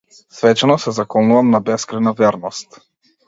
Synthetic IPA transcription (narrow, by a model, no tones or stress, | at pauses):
svɛt͡ʃɛnɔsɛzakɔnuvamnabɛskɾajnavɛɾnɔst̪